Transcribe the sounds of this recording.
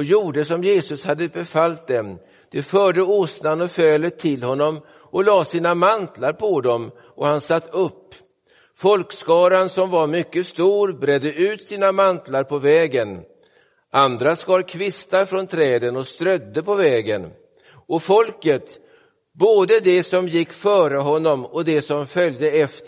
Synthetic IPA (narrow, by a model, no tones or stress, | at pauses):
ɔjuːɖəsɔmjeːsɵshad̪ːəbɛfalt̪̚d̪ɛ | d̪̥ɛfœːɖəʊsnanɔføːlət̪ʰːɪlhɔnːɔm | ʔɔlɑːsiːnamant̪laɾpʰɔd̪ɔm | ʔɔhansat̪ːɵpː | fɔlkskɑːɾansɔmvaɾmʏkːəst̪uːɾbɾɛd̪ːəʔʉ̟ːt̪siːnamant̪laɾpʰɔvɛːɡən | and̪ɾaskɑːɾkʰvɪst̪aɾfɾɔnt̪ʰɾɛːd̪ənɔst̪ɾœd̪ːəpɔvɛːɡən | ʔɔfɔlkət̪ | boːd̪əd̪ɛsɔmjɪkːfœːɾəɦɔnːɔmɔd̪ɛsɔmfœljd̪əɛf